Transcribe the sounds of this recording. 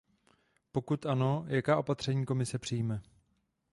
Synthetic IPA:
po̞kut̪ʔano̞jʔakaːʔo̞pat̪r̝̥ɛɲiːko̞mɪsɛpr̝̥ijmɛ

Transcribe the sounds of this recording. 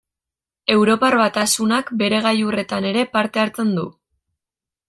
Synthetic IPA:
e̞wɾo̞parβat̪asunakbe̞ɾe̞ɣ̞ajure̞t̪ane̞ɾe̞paɾt̪e̞aɾt͡se̞nd̪u

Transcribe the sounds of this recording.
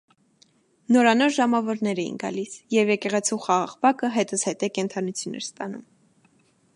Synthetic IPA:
nɔɾɑnɔɾʒɑmɑvɔɾnɛɾɛjḭnɡɑ̰lisjɛvjɛkɛʁɛt͡sʰuχɑʁɑʁbɑkəɦɛt̪əzhɛt̪ɛkɛnt̪ʰɑnut͡sʰjunɛ̰ɾst̪ɑnṵm

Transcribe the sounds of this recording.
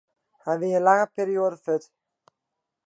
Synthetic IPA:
hajʋɪənlaŋəpeːɾioːdəføt

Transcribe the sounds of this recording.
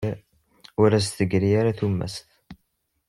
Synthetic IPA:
ʊɾæs̬t̪əɡɾijaɾaθumːæ̰sθ

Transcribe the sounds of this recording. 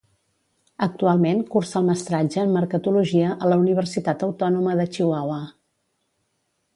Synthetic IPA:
ək̚t̪ualˠmenkursəlˠməst̪ɾad͡ʒəːmːəɾkət̪uluʒiəʔələuniβ̞ərsit̪at̪əwt̪ɔnuməðət͡ʃiwawə

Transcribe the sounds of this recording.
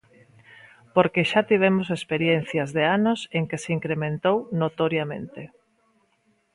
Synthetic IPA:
poɾkeʃat̪iβ̞emosespeɾjen̟θjɐzðeanoseŋkeseiŋkɾemẽnt̪ownot̪oɾjamḛ̃nt̪e

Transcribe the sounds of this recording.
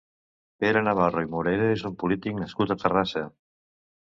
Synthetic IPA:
peɾanaβ̞aroimuɾeɾoezumpulit̪iknɐskut̪at̪ərasə

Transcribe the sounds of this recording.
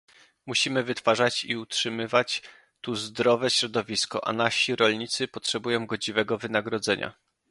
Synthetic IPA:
muɕimɘvɘt̪faʐat͡ɕḭutʂɘmɘvat͡ɕ | t̪uzd̪ɾɔvɛɕɾɔd̪ɔvʲiskɔ̰ʔa̰naɕiɾɔlɲit̪sɘpɔtʂɛbujɔ̃w̃ɡɔd͡ʑivɛɡɔvɘnaɡɾɔd̪zɛɲa̰

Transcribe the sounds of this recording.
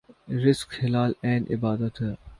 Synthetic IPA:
ɾɪskxɪlaːlɛ̃ːnʔɪ̰baːd̪ət̪

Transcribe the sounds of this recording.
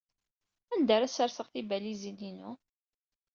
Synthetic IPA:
ænd̪əɾæsəɾθəʁθibælizininʊ

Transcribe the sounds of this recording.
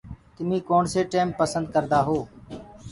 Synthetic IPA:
t̪ɪmĩːkoːɳseːʈeːmpəsənd̪̚kəɾd̪aːɦoː

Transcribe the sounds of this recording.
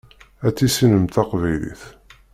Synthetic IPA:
æt͡sːisinəmt̪ɑqvæjlḭθ

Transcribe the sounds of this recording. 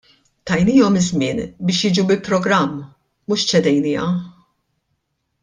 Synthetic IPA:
t̪ɐjniːɔmɪzmɪ̰ːnbɪːʃjɪːd͡ʒubɪlpɾɔɡɾɐmː | muːʃt͡ʃɛd̪ɛjniːɐ̰

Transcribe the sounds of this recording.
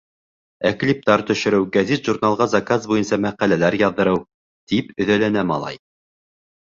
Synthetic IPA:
æklʲip̚t̪ɑɾt̪ɵ̆ʃɵ̆ɾɘwɡæzit̪ʒurnalˠʁɑzɑkazbujɤnsɑmæqælælæɾjɑðːɤ̆ɾɤw | t̪ipɵ̆ðælænæmɑ̰lˠɑ̰j

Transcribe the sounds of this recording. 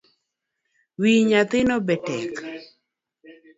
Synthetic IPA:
wiɲat̪ɪnɔbɛtɛ̰k

